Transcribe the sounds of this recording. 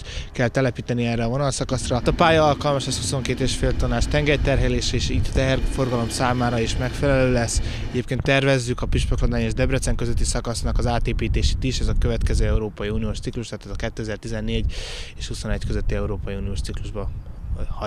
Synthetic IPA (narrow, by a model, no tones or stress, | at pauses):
kɛlt̪ɛlɛpiːt̪ɛniɛːrːɛːvo̞nɒlsɒkɒsrɒt̪ɒpaːjɒɒlkɒlmɒʃɛshuso̞ŋkeːt̪eːʃfeːlt̪ɒnaːʃt̪ɛŋɡɛrt̪ɛrɦɛleːʃɛeːʃiːt̪ːɒt̪ɛɦɛrfo̞rɡɒlo̞msaːmaːɾɒiʃmɛkfɛlɛløːlɛsː | ɛɟeːpkeːnt̪ːɛrvɛzːykɒpiʃpɛklod̪aːɲeːʒd̪ɛbrɛt̪sɛŋkøzøt̪ːisɒkɒsnɒkɒzaːt̪eːpiːt̪eːʃe̥ːt̪iʃɛzɒkøvɛt̪kɛzøːɛuɾoːpɒjiunijoːʃt̪sikluʃt̪at̪ɛzɒkɛt̪ːøɛzɛːrt̪izɛnːeːɟeːʃhuso̞nɛckøzøt̪ːiɛuɾoːpɒjiuːnioːʃt̪sikluʒbɒhɒ